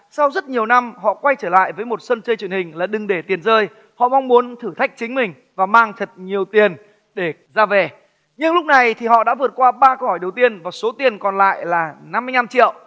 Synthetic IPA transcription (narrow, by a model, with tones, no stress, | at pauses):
sa˧wzə˦˥t̚ɲi˨˩əwna˧mhɔ̰˧˨kwa˧jt͡ɕəː˧˩la̰ː˧˨jvəː˨˦jmo˨˩t̚sə˧nt͡ɕəː˧jt͡ɕwənhï˨˩ŋ̟laː˨˩ɗɨ˨˩ŋɗe˧˩t̪i˨˩ənzəː˧j | hɔ̰˧˨ma˧ŋ͡mmu˨˦ənt̪ʰɨ˧˩t̪ʰa˦˥jk̚t͡ɕï˨˦ŋ̟mï˨˩ŋ̟ | vaː˨˩maː˧ŋt̪ʰə˨˩t̚ɲi˨˩əwt̪i˨˩ən | ɗe˧˩ | zaː˧vɛ˨˩ | ɲɨ˧ŋlʊ˦˥k͡p̚na˨˩jt̪ʰi˨˩hɔ̰˧˨ɗa̰ː˧˥vɨ˨˩ət̚kwaː˧ɓaː˧kə˧whɔ˧˩jɗə˨˩wt̪i˧ənvaː˨˩so˨˦t̪i˨˩ənkɔ˨˩nla̰ː˧˨jlaː˨˩na˧mː˧jna˧mt͡ɕḭ˧˨əw